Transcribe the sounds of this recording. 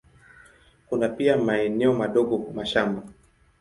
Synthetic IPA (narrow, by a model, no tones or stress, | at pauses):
kunapiamaɛnɛɔmaɗɔɠɔmaʃamba